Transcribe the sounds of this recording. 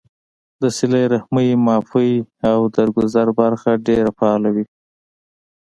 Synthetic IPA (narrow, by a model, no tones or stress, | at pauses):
d̪əsɪlajɾahməjmɑfəjawd̪aɾɡʊzaɾbaɾxaɖeɾafaɑlawi